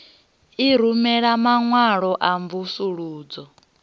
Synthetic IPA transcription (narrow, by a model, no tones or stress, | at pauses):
iɾumɛɺamaŋwaɺɔʔaɱvusuɺuːd͡zɔ